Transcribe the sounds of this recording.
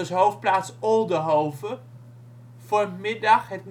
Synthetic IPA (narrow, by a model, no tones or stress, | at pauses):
əsɦowft̚plaːtsɔlˠdəɦowvə | fʊrmɪdɑχɦətn